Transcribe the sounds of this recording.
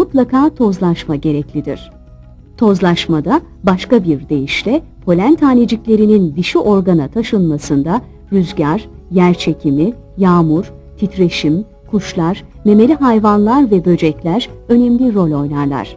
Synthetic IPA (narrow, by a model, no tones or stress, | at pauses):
mut̪lˠakʰaːt̪ʰo̞zlˠaʃmaɟe̞ɾɛclʲid̪ḭɾ̝̥ | t̪ʰo̞zlˠaʃmad̪a | baʃkabiɾd̪e̞jiʃlʲɛpʰo̞lʲænt̪ʰaːned͡ʒiclʲe̞ɾinind̪iʃiʔo̞ɾɡanat̪ʰaʃɯnmasɯnd̪a | jyzɟaɾ | jæɾt͡ʃʰe̞cʰimi | jaːmuɾ̥t̪ʰit̪ɾe̞ʃim | kʰuʃlˠaɾ | me̞me̞lʲiɦajvanlˠaɾvɛbø̞d͡ʒɛclʲæɾø̞nɛmlʲiɾo̞lo̞jlˠaɾlˠa̰ɾ̝̥